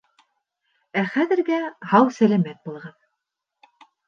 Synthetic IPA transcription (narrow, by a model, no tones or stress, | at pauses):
æχæðɘ̆ɾɡæhɑwsælæmæt̪̚bulˠʁɑn